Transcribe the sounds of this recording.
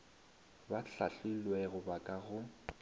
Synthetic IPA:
baɬa̰ɬilwɛɣʊbakʼaɣʊ

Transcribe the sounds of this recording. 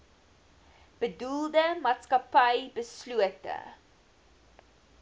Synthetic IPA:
b̥ədulˠdəmɑːtskɐpɐjbəsluətə̰

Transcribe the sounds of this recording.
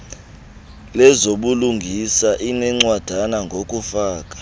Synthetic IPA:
lɛzoɓuluŋɡʱisaʔinɛŋ͡ǀwad̥ʱanaŋɡʱokʼufaːkʼḁ

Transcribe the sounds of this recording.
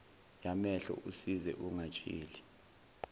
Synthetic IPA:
jamɛɬɔ̰ʔusizɛ̰ʔuŋat͡ʃʼḭːli

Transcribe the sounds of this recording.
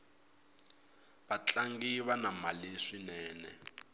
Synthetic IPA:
βat͡ɬaŋɡiβanamaliʂinɛːnɛ̰

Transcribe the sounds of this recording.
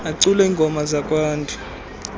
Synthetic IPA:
aǀulɛiːŋɡʱɔmazakʼwaːntʰʼu

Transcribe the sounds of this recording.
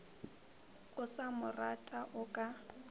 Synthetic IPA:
ʊsamʊratʼaʔʊkʼa

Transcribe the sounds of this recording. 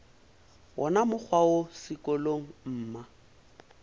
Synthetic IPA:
wɔnamʊk͡xʰwaosɪkʼɔloŋ̩m̩ːma

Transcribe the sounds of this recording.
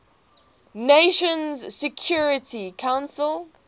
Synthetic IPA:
neʃə̃nzsɛkʰjɔɹɪtʰikʰãʊ̃nsəlˠ

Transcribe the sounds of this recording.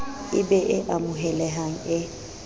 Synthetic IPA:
ɪbɛʔɪʔamʊɦɛlɛɦaŋ̩ɪ

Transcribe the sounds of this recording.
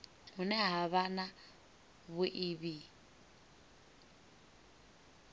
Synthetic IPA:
ɦunɛɦaβana | βuʔiβi

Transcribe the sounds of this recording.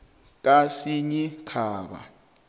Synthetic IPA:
k̬ʼasiɲikʰaːɓa̰

